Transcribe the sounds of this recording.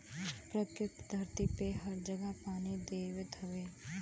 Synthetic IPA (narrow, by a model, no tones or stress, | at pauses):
pɾɐkɾɪt̪d̪ʱɐɾt̪ipeɦɐɾd͡ʒɐɡəpaːnid̪eːʋet̪ʰɐʋeː